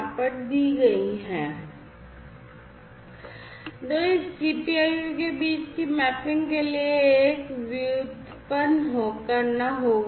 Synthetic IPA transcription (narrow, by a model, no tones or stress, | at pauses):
pəɾd̪iɡɐiɦɛ̃ː | d̪oːɪssipiaːjukebiːt͡ʃkimɛːpɪ̃ŋɡkelieːkʋɪʊd̪ | pənɦoːkəɾnaɦoː